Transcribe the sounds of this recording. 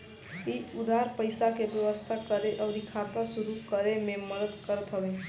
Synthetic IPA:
id͡ʒud̪ʱaɾpəɪsakebjəʋəst̪ʰakəɾeʔəʊɾikʰat̪asuɾukəɾememəd̪əd̪kəɾət̪ɦəbe

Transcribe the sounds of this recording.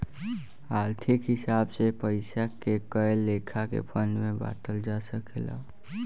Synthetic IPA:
aːlt̪ʰikɦɪsabsepəɪsakekəjlːekʰakḛpʰənmẽba̰t̪əld͡ʒasəkʰela̰

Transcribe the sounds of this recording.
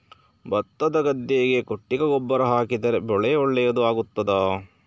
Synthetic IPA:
bɐt̪ːɐd̪ɐɡɐd̪ːeːɡe̞koʈːiɡɐɡɔbːɐɾɐɦaːkid̪ɐɾebɔɭɛjɔɭːɛjɐd̪uaːɡut̪ːɐd̪aː

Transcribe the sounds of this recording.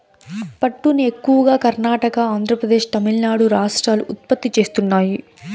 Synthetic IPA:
pɐʈːuniekːuʋɐɡaːkɐɾnaːʈɐkɐaːnd̪ʱɾɐpɾɐd̪e̞ːʂt̪ɐmilnaːɽuɾaːʂʈɾaːluʔːt̪̚pɐt̪ːit͡ʃe̞ːst̪unːaːji

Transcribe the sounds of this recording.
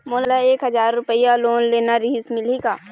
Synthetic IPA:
moːləlaeːkɦɐzaːɾːʊpəijaloːnleːnaɾiːsmɪliɡaː

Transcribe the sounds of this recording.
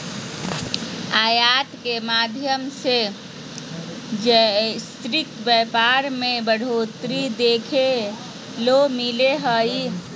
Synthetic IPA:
aːjaːt̪kemaːd̪ʱjəmse | d͡ʒɛst̪ɾɪt̪bɛːpaɾmẽbəɽ̤oːt̪ɾid̪eːkʰe | lomileɦəi

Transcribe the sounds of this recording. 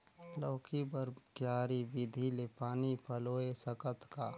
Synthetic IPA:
lɔːkʰibəɾɡjaːɾibɪd̪ʱilepaːnipʰəloːesəkət̪ka̰

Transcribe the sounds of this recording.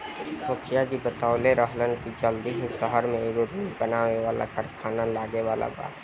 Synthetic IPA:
mʊkʰɪjad͡ʒibət̪aːʊleɾəɦlənkid͡ʒəld̪iɦĩʃəɦəɾmẽeɡoɾuːlbənaːʋeʋaːla̰kəɾkʰaːnalaːɡeʋaːla̰ba̰ːt̪

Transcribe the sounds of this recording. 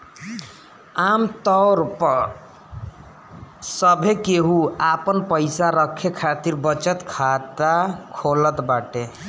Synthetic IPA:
amt̪ʌɾp | sʌbʱekeɦuapənpəjsaɾəkʰːekʰat̪iɾbʌt͡ʃət̪kʰat̪akʰolət̪baʈe

